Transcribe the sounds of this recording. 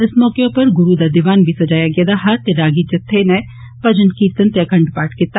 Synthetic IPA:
ɪsmɔːkeopɐɾɡʊɾud̪ad̪ɪʋaːnbʱisɐd͡ʒaːjaɡed̪aɦɐt̪eɾaːɡid͡ʒɐt̪ʰːenɛ | pɐd͡ʒənkiːt̪ənt̪ekɐɳɖpaːʈkɪt̪ː

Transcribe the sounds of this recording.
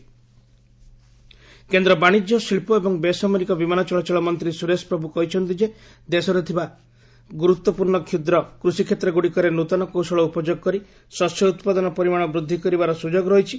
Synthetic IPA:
kend̪ɾɔbaɽ̃id͡ʒjɔsilpɔebɔŋbesameɾikɔbimanɔt͡ʃɔɭɔt͡ʃɔɭɔmɔnt̪ɾisuɾespɾɔbukɔɦit͡ʃʰɔnt̪id͡ʒe | d̪esɔɾet̪ʰiba | ɡuɾut̪ːwɔpuɾɳɔkʰjud̪ɾɔkɾusikʰet̪ɾɔɡuɽikɔɾenut̪ɔnɔkowsɔɭɔupɔd͡ʒoɡkɔɾi | sɔsjɔut̪pad̪ɔnɔpɔɾimaɽ̃ɔbɾud̪ʱːikɔɾibaɾɔsud͡ʒoɡɾɔɦit͡ʃʰi

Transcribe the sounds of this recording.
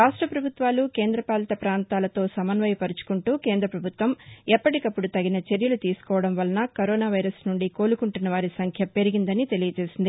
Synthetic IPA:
ɾaːʂʈɾɐpɾɐbʱut̪ʋaːlukeːnd̪ɾɐpaːlɐt̪ɐpɾaːnt̪aːlɐt̪o̞ːsɐmɐnʋɐjpɐɾut͡ʃu̥kuɳʈuːkeːnd̪ɾɐpɾɐbʱut̪ʋɐmɛpːɐʈikɐpːuɽut̪ɐɡinɐt͡ʃe̞ɾjɐlut̪iːsu̥kɔːʋɐɽɐmʋɐlɐnɐkoɾɔːnaːʋɐjɾɐsnuɳɖiko̞ːlukuɳʈunːɐʋaːɾisɐŋkʰjɐpe̞ɾiɡind̪ɐnit̪e̞lijɐd͡ʒe̞ːsind̪i

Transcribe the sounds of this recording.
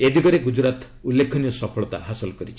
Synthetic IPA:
ed̪ikɔɾeɡud͡ʒɾat̪ | ulːekʰɔnijɔsɔpʰɔɭɔt̪a̰ɦasɔlkɔɾit͡ʃʰi

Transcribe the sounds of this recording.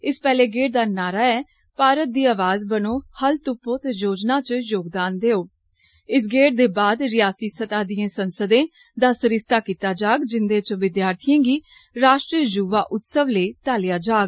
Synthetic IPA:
ɪspɛːleːɡeːʈ̚d̪aːnaːɾaːɛː | paːɾət̪̚d̪iːaːʋaːzbənoːhəlt̪ʊpːoːt̪ejoːd͡ʒnaːt͡ʃjoːɡ̚d̪aːnd̪eːoː | ɪsɡeːʈ̚d̪eːbaːd̪ɾɪjaːsiːsət̪aːd̪ijẽːsənsəd̪ẽː | d̪aːsəɾɪst̪aːkiːt̪aːd͡ʒaːɡd͡ʒɪnd̪ẽːt͡ʃʋɪd̪jaːɾt̪ʰijẽːɡiː | ɾaːʃʈɾiːəd͡ʒuːʋaːʔʊt̪səʋleːt̪aːlɪjaːd͡ʒaːɡ

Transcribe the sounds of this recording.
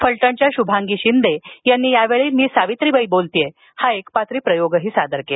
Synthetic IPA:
fəɭʈəɳt͡ɕjaɕubʱãŋɡiːɕind̪ejanːiːjaʋeɭiːlmiːsaʋit̪ɾibəibolt̪ije | haekpat̪ɾiːpɾəjoɡɦiːsad̪əɾke

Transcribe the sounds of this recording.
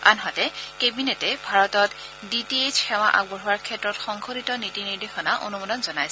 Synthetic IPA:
a̰nɦatɛkebinɛtɛbʱaɹɔtɔt | ditied͡ʒxɛw̃aʔa̰ɡbɔɦuwaɹkʰɛtːɹɔtxɔŋkʰoɾitɔnitiniɹdexɔnaʔo̰numɔdɔnzɔnajsɛ

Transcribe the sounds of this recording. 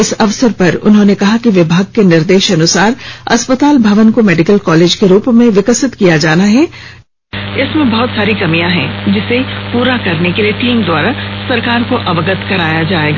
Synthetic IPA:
ɪsɐʋsəɾpɐɾʊ̰nɦõːnekɐɦakiʋɪbʱaːɡ̚kenɪɾd̪eːʃɐnʊsaːɾɐ̰spət̪aːlbʱɐʋənkomɛːɖɪkəlkɔːleːd͡ʒkeɾuːpmẽʋɪkəsɪt̪kijad͡ʒaːnaɦɛ | ɪsmẽbɐɦʊt̪saːɾikɐmijãɦɛ̰̃d͡ʒɪsepuːɾakɐɾnekelieʈiːmd̪waːɾasɐɾkaːɾkoʔɐʋəɡət̪kɐɾaːjad͡ʒaːḛːɡaː

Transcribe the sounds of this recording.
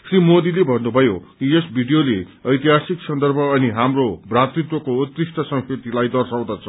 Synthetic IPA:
srimod̪ilebʱʌnːubʱʌjokijesbʱiɖijoleʌjt̪iɦasiksʌnd̪ʌrbʱʌːniɦamrobrat̪rit̪wʌkout̪risʈʌsʌ̃ŋsʰet̪ilajd̪ʌrsaw̃d̪at͡sʰʌ

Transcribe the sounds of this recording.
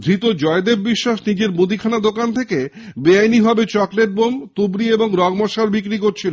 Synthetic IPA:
d̪ʱɾit̪od͡ʑɔed̪ebbiʃːaʃnid͡ʑeɾbud̪ʱikʰanad̪okant̪ʰeke | beajniɦɔbet͡ɕɔkleʈ̚bomt̪ubɾieboŋɾɔɡmɔʃaɾbikɾikoɾt͡ɕʰilo

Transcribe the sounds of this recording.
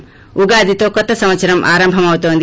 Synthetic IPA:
uɡaːd̪ʱit̪okɔt̪ɐsɐmɐt͡ʃɐɾɐmʔa̰ːɾɐmbʱɐmawt̪ond̪

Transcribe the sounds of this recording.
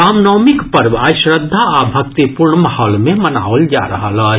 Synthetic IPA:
aːmnɔːmɪkpɐɾbaʃɾəd̪ʱːaabʱɐkt̪ipuɾɳmahɔːlmẽməna̰ːold͡ʒa̰ːɾɐɦalaː

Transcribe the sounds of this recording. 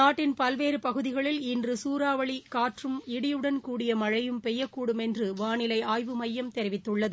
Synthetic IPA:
naːʈːɪnpɐlʋeːɾɯpɐɣɯðɪɣɐɭɪlɪndrɯsuːɾaːʋɐɭikaːʈrɯmɪɽɪjɯɽɐnkuːɽɪjɐmɐɻɐjɯmpɛjːɐkːuːɽɯmɛndrɯʋaːɳɪlɐɪaːjʋɯmɐjːɐmt̪ɛɾɪʋɪt̪ːɯɭːɐðɯ

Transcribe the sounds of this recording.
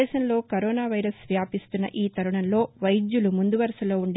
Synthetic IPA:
ɛːʃɐnlo̞ːkɐɾɔːnaːʋɐjɾɐsʋjaːpist̪unːɐ̰ʔiːt̪ɐɾuɳɐnlo̞ːʋɐjd͡ʒjulumund̪uʋɐɾɐsɐlo̞ːuɳɖ

